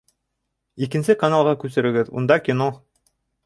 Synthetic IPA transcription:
ikɘ̆nsɘkanalˠʁɑkʉsɘ̆ɾɘ̆ɡɘðṵnd̪ɑkʲino

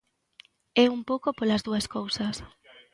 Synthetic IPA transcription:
ɛumpowkopolazðuaskowsas

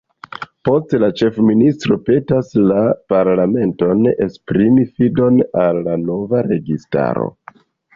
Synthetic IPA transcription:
po̞stlat͡ʃe̞fministɾo̞pe̞taslapaɾlame̞nto̞nespɾimifido̞nalːano̞vaɾe̞ɡista̰ɾo̞̰

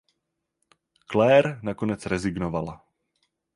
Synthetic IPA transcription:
klɛːɾnakonɛt͡sɾɛzɪɡnovala

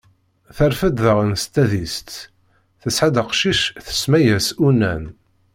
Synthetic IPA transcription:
θæɾfəd̪ðəʁənst̪ːæðist̪ | θəsʕad̪əqʃiʃθə̥smæjæsunːæ̰n

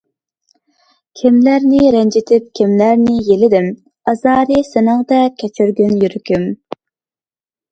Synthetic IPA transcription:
kʲʰɪmlæɾnɪɾɛnd͡ʒɪt̪ʰɪp̚kʲʰɪmlæɾnɪjelɪd̪ɪm | ɑzɑːɾɨsɪnɑŋd̪ɛkʲʰɛt͡ʃʰyɾɡʲynjyɾkʲym

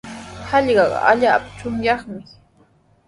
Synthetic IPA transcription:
hɑʎɢɑɢɑ̰aʎaːpt͡ʃʊŋjɑχmɪ

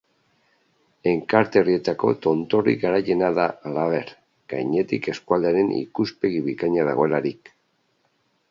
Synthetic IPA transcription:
e̞ŋkaɾt̪e̞orie̞t̪ako̞t̪o̞nt̪o̞rḭɡaɾaje̞naðalaβe̞ɾ | ɡ̥ajɲe̞t̪ike̞skuald̪eaɾe̞nḭkuspe̞ɣiβikaɲaða̰ɣoe̞laɾik

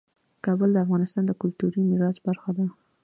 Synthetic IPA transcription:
kɑbəld̪əafɣɑnɪst̪ɑnd̪əkʊlt̪uɾimɪɾɑsbaɾxad̪a

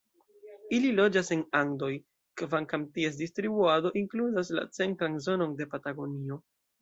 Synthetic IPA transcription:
ililo̞d͡ʒase̞naŋdo̞j | kvaŋkamtie̞s̬distɾibuado̞ʔiŋkluzasla̰t͡se̞ntɾanzo̞no̞nde̞pataɡo̞nio̞

